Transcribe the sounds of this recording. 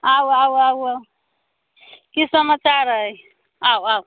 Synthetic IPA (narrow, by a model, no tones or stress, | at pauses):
awawawa | kisəmat͡ʃaɾəj | awaw